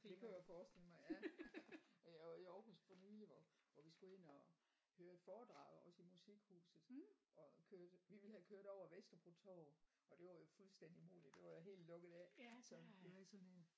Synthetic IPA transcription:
d̥e̝kʰujafɒːsd̥e̝ləmɑ̈ɪjæ | jaɪɑiɒʊhusd̥fɒ̽nyːliʋɒʋɒʋisɡ̥ue̝n̰ɒ̽ | høːɐe̝d̥fɒːd̥ʁɑ̰̈ːð̩ˠɒ̽səimusiɡ̥hṵːsð̩ˠʔɒ̽kʰøɐd̥ʋiʋe̝lhækʰøːɐd̥ɒʊ̰ɐʋesd̥ɐpʰot͡sʰɒ̰ː | ɒ̽d̥e̝ʋɑ̈jofulsd̥en̰d̥imo̝̰ːlid̥e̝ʋɑ̈jaɦe̝̰ːldlɔ̽ɡ̥ð̩ˠæsɒ̽d̥e̝ʋeɡ̥sɒ̽nen

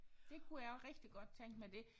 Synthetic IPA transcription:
d̥e̝kʰujɑʁɛɡ̥d̥iɡ̥ɒ̽d̥̚t͡sʰeŋ̰ɡ̥med̥e̝

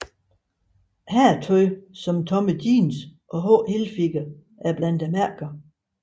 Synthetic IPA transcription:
hæɐt͡sʰɔɪsɒ̽mt͡sʰɒ̽məd̥ḭːnsʔɒ̽ɦɔːhelfiɡ̥æ | ʔæɐb̥læn̰d̥æmæɐ̰ɡ̥ɐ

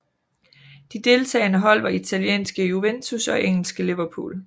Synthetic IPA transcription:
d̥id̥e̝lt͡sʰɛ̰ːnəɦɒ̽l̰ʋɐit͡sʰæljḛːnsɡ̥əjuʋent͡sʰusɒ̽ʔeŋ̰l̩sɡ̥əliʋɐpʰṵːl

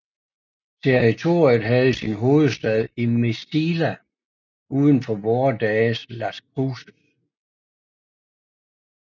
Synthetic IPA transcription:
t͡sʰeʁit͡sʰo̝ːɐ̰jəð̩ˠɦæð̩ˠəsinɦo̝ːð̞̩ˠsd̥ɛð̞ˠimesd̥ilæ | uːð̞ˠən̩fɒʋɒːd̥ɛːslæsɡʰʁuːsəs

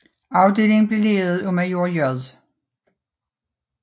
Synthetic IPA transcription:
ɑ̈ʊd̥e̝̰ːle̝ŋb̥le̝leːð̩ˠɔmæjo̝ɐjœðˠ

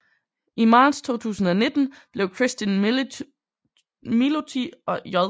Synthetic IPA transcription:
imɑ̈ːd̥st͡sʰo̝̰ːt͡sʰṵːsn̩ɒ̽ne̝d̥n̩b̥le̝ʊkʰʁesd̥in | milot͡sʰiɒ̽jɒ

